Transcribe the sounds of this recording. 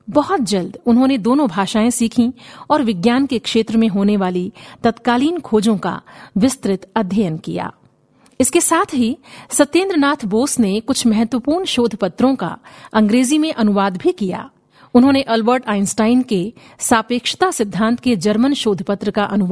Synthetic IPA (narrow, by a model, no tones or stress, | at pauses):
bɐɦɔt̪̚d͡ʒɐld̪ʊnɦõːned̪oːnõbʱaːʃaːẽsiːkʰĩɔːɾʋɪɡjaːnkekʃeːt̪ɾəmẽɦoːneʋaːlit̪ɐt̪kaːliːnkʰoːd͡ʒõka̰ʋɪst̪ɾɪt̪ɐd̪ʱjəjənkḭja̰ː | ɪskesaːt̪ʰɦisɐt̪ẽːnd̪ɾənaːt̪ʰboːsnekʊt͡ʃʰmɛɦɛt̪wəpuːɾɳʃoːd̪ʱpət̪ɾõka̰ɐ̃ŋɡɾeːzimẽʔɐnʊʋaːd̪bʱikija̰ː | ʊnɦõneʔɐlbəɾʈaːɪnsʈaːɪnke | saːpeːkʃɪ̥t̪asɪd̪ʱːãːnt̪ʰked͡ʒɐɾmənʃoːd̪ʱpət̪ɾəkaʔɐnʊʋ